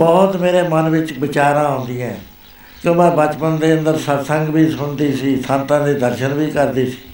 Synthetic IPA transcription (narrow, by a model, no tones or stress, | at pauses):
bɔːt̪meːɾeːmənʋɪt͡ʃbɪt͡ʃaːɾãːõːnd̪iːãː | kõmɛ̃ːbət͡ʃpənd̪eːə̃nd̪əɾsət̪səŋɡbiːsʊɳd̪iːsiːt̪ʰãːnt̪ãːd̪iːd̪əɾʃənʋiːkəɾd̪iːsi̥ː